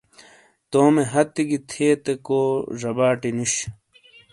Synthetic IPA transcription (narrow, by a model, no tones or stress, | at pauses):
t̪oːmeɦɐt̪ːiɡit̪ʰeːt̪ekoːʐɐbaːʈiniɕ